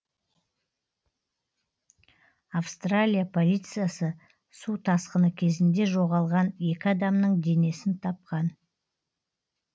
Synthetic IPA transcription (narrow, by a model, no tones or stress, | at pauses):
afst̪ralʲijapʰo̞lʲijt̪sɨjasə | sut̪ʰɑsqənəkʲʰe̞zɪnd̪e̞ʒo̞ʁɑlˠʁɑne̞kʲɪɑd̪ɑmnəɴd̪e̞ne̞sɪnt̪ʰɑp̚qɑn